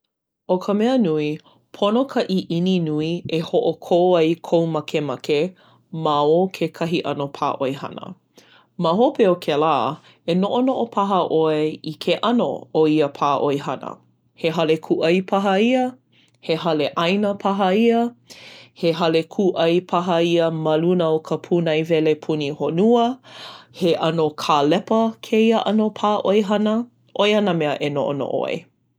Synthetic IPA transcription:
okʰəmɛənui | pʰonokʰɐʔiʔininuiehoʔokʰoːɐjkʰowmɐkʰemɐke | maokʰekʰɐɦiʔɐ̰nopʰa̰ːʔoehɐ̰nə̰ | maɦopeokʰelaː | enoʔonoʔopʰɐɦɐʔoeikʰeʔɐno̰oiəpʰaːʔojɦɐnə̰ | heɦɐlekʰuʔɐjpʰɐɦɐiə | heɦɐleʔɐjnəpʰɐɦɐiə | heɦɐlekʰuʔɐjpʰɐɦɐiəmɐlunəokʰəpʰunɐjvɛlepʰunihonuəheʔɐnokʰaːlɛpəkʰeiəʔɐnopʰaːʔojɦɐnə | ʔojɐnəmɛəʔeno̰ʔo̰no̰ʔo̰ḛ

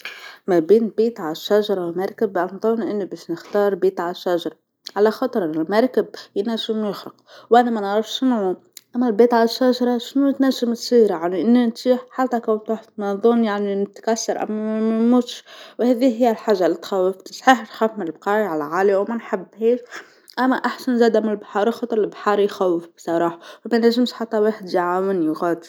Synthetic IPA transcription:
mæbeːnlbiːt̪ʕalaʃːæʒɑɾˤɑwmɑɾˤkɪbanðˤʊnʔɪnːibɛːʃnɪxt̪ɑːɾˤbiːt̪ʕalaʃːæʒɑɾˤɑ | ʕalæxɑt̪ˤɾʔɪnːɪlmɑɾˤkɪb̚jnæʒɪmjɪxɾɑqwʔænæmænʕɾˤɑfʃɪnʕu | ʔæmːælbeːt̪ʕalaʃːæʒɑɾˤɑʃnut̪næʒɪmt̪sˤiːɾjaʕniʔɪnːint̪iːħħat̪ːækæwt̪uːħt̪mɑðˤunjaʕninɪt̪kæsːɑɾˤʔæ̰mːææmuːt̪ʃwhɛðiɦɪjːælħaːʒːalːit̪xæwːɪft̪sˤħiːħnxæfmɪnɪlbqɑːiʕalæʕaːljawmænħabːheːʃ | ʔæmːæʔaħsænzæːd̪amɪnɪlbħɑːɾˤixɑt̪ˤɾɪlbħɑːɾˤjxæwːɪfbsˤɑɾˤɑːħɑwmænæʒːɪmʃħat̪ːæweːħɪd̪jʕaːwɪnjɣɑːd̪

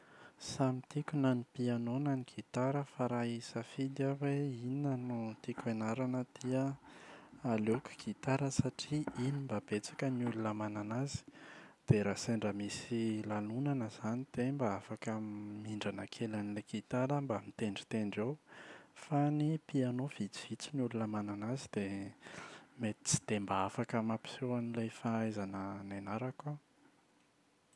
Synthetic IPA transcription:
samit̪ikʲunanipianonaniɡ̥ʰit̪aɾəfaɾaisafid̪aweinənut̪ikenaɾanəd̪̥iə | aluki̥ɡ̥it̪aɾəsaʈ͡ʂiinimbabet͡sḁkəniulunəmananazi̥d̪̥eɾaseɳɖ͡ʐəmisilalunanəz̥anid̪̥embaafakəmiɳɖ͡ʐanəkʰelanilekʰit̪aɾəmbamit̪eɳɖ͡ʐi̥t̪eɳɖ͡ʐewfanipianov̥it͡si̥v̥it͡sinulunəmananazid̪̥e | met̪i̥t͡si̥d̪̥embaafakəmapi̥sewanilajfaajzanənanaɾaka

